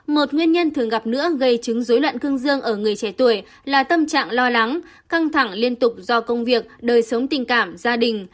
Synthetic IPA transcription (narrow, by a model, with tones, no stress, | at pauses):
mo˨˩t̚ŋwi˧ənɲə˧nt̪ʰɨ˨˩əŋɣa˨˩p̚nɨ̰˧˥əɣə˧jt͡ɕɨ˨˦ŋzo˨˦jlwə̰˧˨nkɨ˧əŋzɨ˧əŋʔəː˧˩ŋɨ˨˩əjt͡ɕɛ˧˩t̪u˧˩əj | laː˨˩t̪ə˧mt͡ɕa̰ː˧˨ŋlɔ˧la˨˦ŋ | ka˧ŋt̪ʰa˧˩ŋli˧ənt̪ʊ˨˩k͡p̚zɔ˧kə˧wŋ͡mvi˨˩ək̚ɗəː˨˩jsə˨˦wŋ͡mt̪ï˨˩ŋ̟kaː˧˩mzaː˧ɗï˨˩ŋ̟